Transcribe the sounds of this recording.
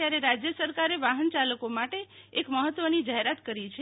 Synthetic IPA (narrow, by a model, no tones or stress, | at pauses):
jaɾeɾad͡ʒjəsəɾkaɾeʋaɦənt͡ʃaləkomaʈe | ekməɦət̪ːʋənid͡ʒaɦeɾat̪kəɾit͡ʃʰe